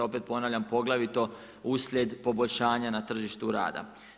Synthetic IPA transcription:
o̞pet̪̚po̞naːʋʎampo̞ɡlˠaʋit̪o̞ | usʎʲjed̪po̞bo̞ʎʲʃaːɲanat̪r̩ʒiʃt̪uɾa̰ːd̪a̰

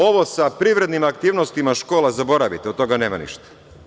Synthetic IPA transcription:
o̞ʋo̞sapɾiʋɾe̞d̪nimakt̪iːʋnost̪imaʃko̞ːlazabo̞ɾaʋit̪eot̪o̞ɡane̞ːma̰nḭʃt̪ḁ

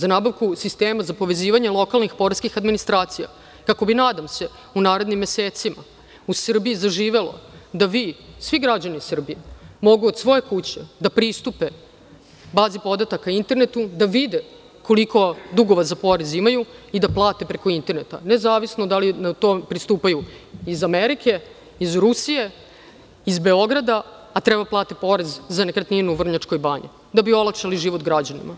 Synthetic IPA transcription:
zanaːbaʋkusist̪eːmazapo̞ʋe̞ziːʋaɲe̞lˠo̞kalnixpo̞ɾaskixad̪minist̪ɾaːt̪sija̰ | kako̞binaːd̪amse̞ | unaːɾed̪nimːje̞seːt̪sima̰ | usr̩biizaʒiːʋe̞lo̞̰d̪aʋisʋiɡɾad͡ʑanisr̩bijemo̞ɡuod̪sʋo̞je̞kut͡ɕed̪apɾist̪upe | baːzipo̞d̪at̪akaint̪e̞ɾne̞t̪ud̪aʋid̪e | ko̞liko̞d̪uɡo̞ʋazapo̞ɾezimajuid̪aplˠaːt̪epɾe̞ko̞int̪e̞ɾnet̪a̰nezaːʋisnod̪alinat̪oːpɾist̪uːpajuizameɾikʰe̞ | izɾusije̞ | izbe̞o̞ɡɾad̪aː | t̪ɾebaplˠaːt̪epo̞ɾezzanekɾat̪ninuʋr̩ɲat͡ʂko̞jbaːɲḭ | d̪abio̞lˠakʂaliʒiʋot̪ɡɾad͡ʑanḭma

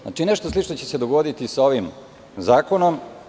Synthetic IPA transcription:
a̰t͡ʃine̞ʃt̪o̞slit͡ʃnot͡ɕe̞sed̪oɡod̪it̪isao̞ʋim | zaːkonom

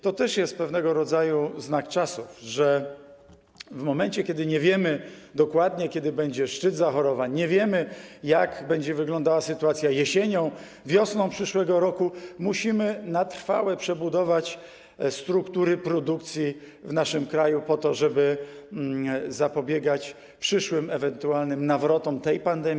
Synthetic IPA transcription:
t̪ɔt̪ɛʂjɛst̪̚pɛvnɛɡɔɾɔd̪zajuznakt͡ʂasufʐɛ | vmɔmɛnt͡ɕɛkʲjɛd̪ɘɲɛvʲjɛmɘd̪ɔkwad̪ɲɛkʲɛd̪ɘbɛɲd͡ʑɛʂt͡ʂɘd̪zaxɔɾɔvaɲɲɛvʲjɛmɘjaɡbɛɲd͡ʑɛvɘɡlɔ̃nd̪awasɘt̪uat̪sʲjajɛɕeɲɔ̃w̃ | vʲjɔsnɔ̃w̃pʂɘʂwɛɡɔɾɔkumuɕimɘnat̪ɾ̥fa̰wɛpʂɛbud̪ɔvat͡ɕ | st̪ɾukt̪uɾɘpɾɔd̪ukt̪sʲji | vnaʂɘmkɾajupɔt̪ɔʐɛbɘ | zapɔbʲjɛɡat͡ɕ | pʂɘʂwɘmɛvɛnt̪ualnɘmnavɾɔt̪ɔmt̪ɛjpand̪ɛmʲ

